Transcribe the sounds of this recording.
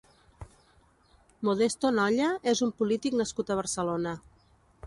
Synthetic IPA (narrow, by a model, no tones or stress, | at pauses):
muðest̪onɔʎəezumpulit̪iknəskut̪əβ̞əɾsəlonə